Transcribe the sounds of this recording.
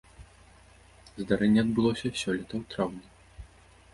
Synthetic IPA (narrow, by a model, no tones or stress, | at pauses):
zd̪aɾɛnʲːɛɐd̪bɨlˠɔsʲɐsʲɔlʲɛt̪ɐwt̪ɾawnʲɐ